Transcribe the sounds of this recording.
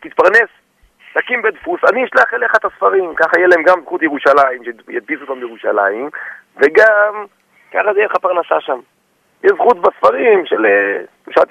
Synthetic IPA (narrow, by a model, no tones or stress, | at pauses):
t̪it̪̚paʁnes | takimbed̪fusaniiʃlaχeleχat̪asfaʁimkaχajelahemɡamzχut̪jeʁuʃalajimʃejat̪̚bisot̪ambejeʁuʃa̰la̰jim | veɡam | kaχazeelχapaʁnasa̰ʃam | jezχut̪basfaʁimʃele | uʃa̰t̪